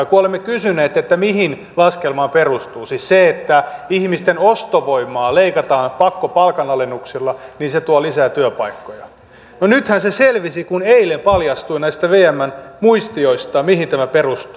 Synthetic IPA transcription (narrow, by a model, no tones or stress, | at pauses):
kuolemːekysyneːt̪ːet̪ːæmihin | lɑskelmɑmperust̪uːsisseet̪ːæihmist̪enost̪oʋoimˑɑːleikɑt̪ɑːnpɑkːopɑlkɑnɑlenːuksilːɑniːnset̪uolisæːt̪yøpɑikːojɑ | nonyt̪hænseselʋisikuneilempɑljɑst̪uinæist̪æʋeːæmːænmuist̪ioist̪ɑmihint̪æmæperust̪uː